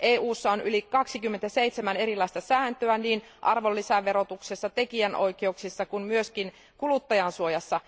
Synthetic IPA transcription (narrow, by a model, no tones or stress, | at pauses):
ʔeːʔuːsːɑonʔylikɑksikymːent̪æsejt̪semæne̞ɾilːɑist̪ɑsæːnt̪øæniːnʔɑrʋo̞lːisæʋe̞ɾo̞t̪uksesːɑt̪e̞kiænʔo̞̰jkeuksisːɑkunmyøskin | kulut̪ːɑjɑnsuojɑsːɑ